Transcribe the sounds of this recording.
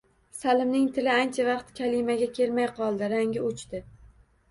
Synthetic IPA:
salɪmnɪŋt̪ʰɪlɪant͡ʃʰavɑqt̪kʲʰalɪmaɡʲakʲʰe̞ɾmajqʰɒlˠd̪ɪɾaŋʲɪʊt͡ʃt̪ɪ

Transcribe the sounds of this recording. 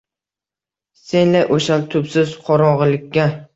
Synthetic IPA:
se̞nlajʔoʃalt̪ʰʊpsɪzqʰɒɾɒʁɨlɪkʲːa

